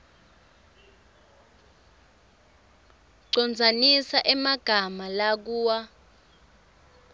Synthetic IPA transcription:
ǀɔnd͡zʱanisaʔɛmaɡ̥ʱamalak̬uːwa

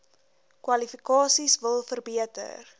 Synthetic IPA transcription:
kwɐlifikɑːsisvəlˠfərbiətə̰r

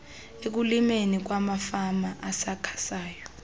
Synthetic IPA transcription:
ek̬ulimenik̬wamafamaʔasakʰḁsaːjɔ

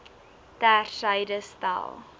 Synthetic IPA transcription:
tærsəjdəstɐ̰lˠ

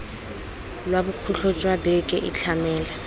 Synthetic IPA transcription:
lwabukʰuɬʰɔt͡ʃʼwabɛkʼɛʔɪt͡ɬʰamɛːla

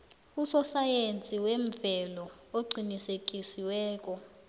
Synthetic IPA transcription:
usɔsajent͡sʼiweɱvɛlɔoɡ͡ǀʱinisek̬ʼisiwɛːk̬ʼɔ

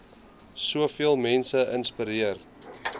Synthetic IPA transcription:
suəfiəlˠmɛnsəʔənspiɾiərt

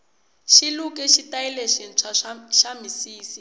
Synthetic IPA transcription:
ʃiluk̬ʼɛʃitaɛleʃɛnt͡ʃʰaʃamisiːsi

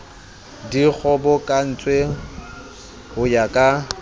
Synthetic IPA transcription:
dik͡xʰɔbɔkʼan̩t͡sʼwe | hʊjakʼa

